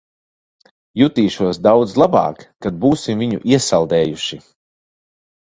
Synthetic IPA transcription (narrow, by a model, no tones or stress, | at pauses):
jut̪iːʃuɔsd̪awd̪zlˠabɑ̰ːkːad̪̚buːsimviɲṵʔiɛsalˠd̪ɛːjuʃi